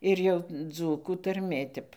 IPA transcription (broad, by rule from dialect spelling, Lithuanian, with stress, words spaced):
ˈɪr jɛʊ ˈd͡zuːkuː tɐrʲˈmʲeː tʲɛp